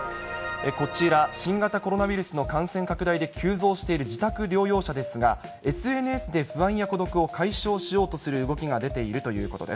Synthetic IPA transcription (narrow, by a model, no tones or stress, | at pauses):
eko̞t͡ɕiɾaɕĩŋɡat̪ako̞ɾo̞naβʲiɾɯ̟sɨno̞kãɰ̃sẽ̞ŋkakɯ̟d̪aid̪e̞kʲʰɨːzo̞ːɕi̥t̪e̞iɾɯ̟d͡ʑit̪akɯ̟ɾʲo̞ːjo̞ːɕad̪e̞sɨɡa | e̞sɨe̞nɯ̟esɨd̪e̞ɸɯ̟βãɰ̃jako̞d̪o̞kɯ̟o̞kaiɕo̞ːɕijo̞ːt̪o̞sɨɾɯ̟ːɡo̞kʲiɡad̪e̞t̪e̞iɾɯ̟t̪o̞jɯ̟̰ːko̞t̪o̞d̪es